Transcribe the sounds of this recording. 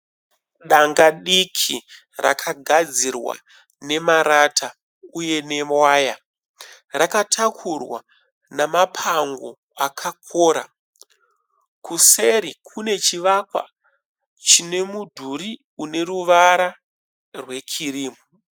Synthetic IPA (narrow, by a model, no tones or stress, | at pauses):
ɗaŋɡaɗikʰi | ra̰kʰaɡʱad͡zirwa̰ | ne̞maɾatʰa | uje̞ne̞mwaːja | rakatʰakʰurwa̰ | namapʰaŋɡo̞ | akʰak̚ʰoːɾa̰ | kuseɾikʰune̞t͡ʃiʋakwa̰ | t͡ʃine̞mudʱuɾi | une̞ɾuʋaɾa | rwe̞kʰiriːmu